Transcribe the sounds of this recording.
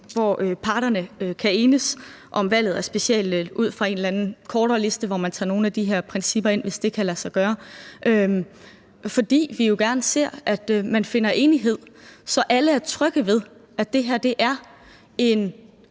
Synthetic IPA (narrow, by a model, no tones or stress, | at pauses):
ʋɒøpʰɑ̈ːɾɐnəøkʰæeːnəs | ʔɒ̽mʋæl̰ð̩ˠæɐsb̥e̝sel̰d̥uð̞̰ˠfʁɑ̈e̝ːnlænn̩kʰɒːɾ̥ɐːle̝sd̥əʋɒmænt͡sʰɑ̈ːno̝ːn̩æd̥iɦe̝ɐ̰pʰʁɛnsib̥ɐe̝n̰ʋe̝sd̥e̝kʰælæsɑ̈ɪɡ̥ɶːɐʔøm | fɒ̽d̥ḭːʋijo̝ɡ̥æɐnəse̝̰ɐ̰ʔæd̥mænfe̝nɐʔe̝ːniɦe̝ð̞̰ˠsɒ̽ʔæləæɐt͡sʰʁœɡ̥əʋe̝ð̞ˠʔæ̥d̥e̝ɦeɐ̰d̥e̝ʔæɐ | e̝n